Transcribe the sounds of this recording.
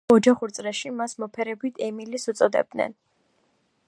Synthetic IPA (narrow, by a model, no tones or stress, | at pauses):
ɔd͡ʒaχuɾt̪sʼɾɛʃimasmɔpʰɛɾɛbit̪ʰɛmilisut̪sʼɔd̪ɛ̰b̚d̪nɛ̰n